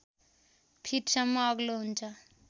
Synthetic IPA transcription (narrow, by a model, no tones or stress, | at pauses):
pʰiʈsʌmːʌːɡloɦunt͡sʰʌ